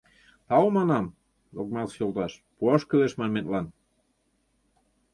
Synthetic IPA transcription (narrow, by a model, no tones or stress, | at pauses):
t̪ɑwmɑnɑm | d̪ok̚mɑlsjolˠt̪ɑʃpuɑʃkəβeʃmɑnmenlɑn